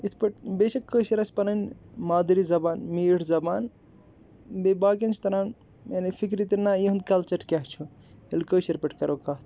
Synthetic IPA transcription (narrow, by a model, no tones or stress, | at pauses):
it̪ʰpɐʈbeʃɐkkːəsɐɾɐspɐnɐnʲmaːd̪ɾizɐbaːnmiːɽzɐbaːn | bebaːkent͡ʃʰi̥t̪ɐɾaːn | enefʰikɾit̪inːajiɦund̪kɐlt͡ʃɐɾkɐɦt͡ʃʰu | elkəsɐɾpɐʈʰkɐɾʔokaɦt̪ʰ